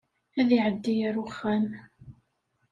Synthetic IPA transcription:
æðiʕəd̪ːijəɾʊχːæn

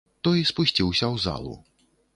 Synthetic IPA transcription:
t̪ɔispusʲt͡sʲiwsʲɐwza̰lˠṵ

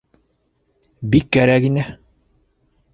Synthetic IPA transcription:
bikːæɾækinɘ

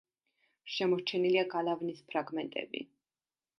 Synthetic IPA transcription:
ʃɛmɔɾt͡ʃʰɛniliaɡalavnispʰɾaɡmɛnt̪ʼɛ̰bḭ

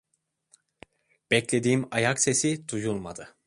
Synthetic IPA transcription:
b̥ɛclʲe̞d̪iːmajakse̞sid̪̥ujulˠma̰d̪ɯ

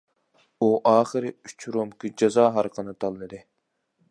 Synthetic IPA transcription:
uʔɑːχɨɾɪyt͡ʃʰɾomkʲid͡ʒɑzɑːɦɑɾqʰənɨt̪ʰɑlˠːɨd̪ɪ

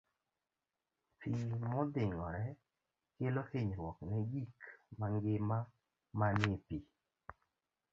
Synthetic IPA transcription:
pimɔd̪ɪŋɔɾɛ | kelohɪɲɾwɔknɛɡikmaŋɡɪma | manɪpi

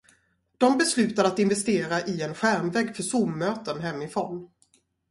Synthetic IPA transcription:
d̪̥ɔmbɛslʉ̟ːt̪ad̪əat̪ɪnvɛst̪eːɾaʔɪɛnɧæɾmvɛːɡfœʂumːøːt̪ənɦɛmːɪfɾɔn

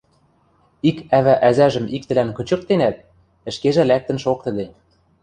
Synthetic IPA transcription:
ikæβæʔæzæʒə̆mik̚t̪ɘ̆lænkɤ̆t͡ɕɤ̆k̚t̪enæt̪̚ | ɘ̆ʃkeʒæ̆læk̚t̪ə̆nʃok̚t̪ə̆d̪e

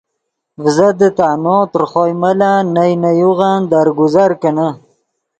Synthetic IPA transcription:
vzad̪ət̪anot̪əɾχojmalanajnajuɣand̪aɾɡʊzaɾkənə

